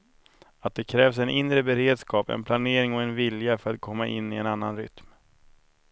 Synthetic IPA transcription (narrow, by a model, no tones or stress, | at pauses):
at̪̚d̪ɛkʰɾɛːvsɛnʔɪnːɾəbɛɾeːd̪skʰɑːpɛ̰npʰlaneːɾɪŋɔɛnvɪljafœɾat̪̚kʰɔmːaʔɪ̰nːɪɛnanːanɾʏ̰t̪m